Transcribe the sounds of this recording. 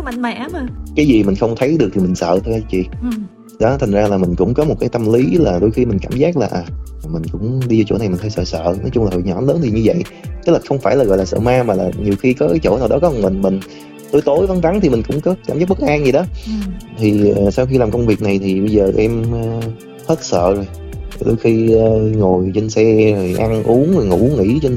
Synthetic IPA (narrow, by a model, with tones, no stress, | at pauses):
ma̰˧˨ŋma̰˧˨˩kaː˨˦jzi˨˩mï˨˩ŋ̟xə˧wŋ͡mt̪ʰə˨˦jɗɨ˨˩ək̚t̪i˨˩mï˨˩ŋ̟sə̰ː˧˨t̪ʰə˧ja˨˦t͡ɕḭ˧˨ | ɗɔ˨˦t̪ʰa˨˩ŋ̟zaː˧laː˨˩mi˨˩ŋ̟kʊ̰˧˥ŋ͡mkɔ˨˦mo˨˩t̚kaː˨˦jt̪ə˧mli˨˦laː˨˩ɗo˧jxi˧mï˨˩ŋ̟kaː˧˩mzaː˦˥k̚laː˨˩ʔaː˨˩˨mï˨˩ŋ̟kʊ̰˧˥ŋ͡mɗi˧za˧t͡ɕo̰˧˩na˨˩jm˨˩ŋ̟t̪ʰa˧jsə̰ː˧˨sə̰ː˧˨nɔ˨˦t͡ɕʊ˧ŋ͡mlaː˨˩ɔ˨˩jɲɔ˧˩˦nləː˨˦nt̪ʰi˨˩ɲɨ˧və̰˧˨j | t̪ɨ˦˥k̚laː˨˩xə˧wŋ͡mfaː˧˩jlaː˨˩ɣɔ̰˧˨laː˨˩sə̰ː˧˨maː˧maː˨˩laː˨˩ɲi˨˩əwxi˧kɔ˨˦t͡ɕo̰˧˩naː˨˩wɗɔ˨˦kɔ˨˦˨nmï˨˩ŋ̟mï˨˩ŋ̟ | t̪o˧jt̪o˨˦jvə˨˦nva˨˦nt̪ʰi˨˩mï˨˩ŋ̟kʊ̰˧˥wŋ͡mkɔ˨˦kaː˧˩mzaː˦˥k̚ɓə˦˥k̚ʔaː˧ŋzi˨˩ɗɔ˨˦t̪ʰi˨˩ə˨˩saː˧wxi˧laː˨˩mkə˧wŋ͡mvi˨˩k̚na˨˩jt̪ʰi˨˩ɓə˧jzəː˨˩ʔɛ˧m˧ | t̪ʰəː˦˥t̚sə̰ː˧˨zo˨˩j | ɗo̰˧jxi˧əː˨˧ŋo˨˩jt͡ɕe˧nsɛ˧o˨˩jʔa˧nʔu˨˦əno˨˩jŋṵ˧˩˥ŋḭ˧˥t͡ɕe˧n